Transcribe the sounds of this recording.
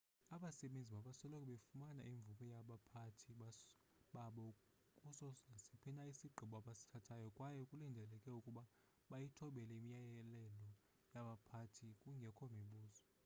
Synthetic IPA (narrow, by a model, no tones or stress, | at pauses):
aɓasɛɓend͡zʱiɓaɓasɔlɔkʼɛɓefumana̰ʔiɱb̪vumɛjaɓapʰatʰiɓa | ɓaɓɔ | kʼusɔŋʱasipʰinaisiɡ͡ǃʱiɓɔaɓasi̥tʰatʰajɔkʼwajɛkʼulindʱɛlɛkʼɛukʼuɓa | ɓajitʰɔɓɛlɛimijajɛlɛlɔ | jaɓapʰatʰikʼuŋɡʱɛkʰɔmiɓuːzɔ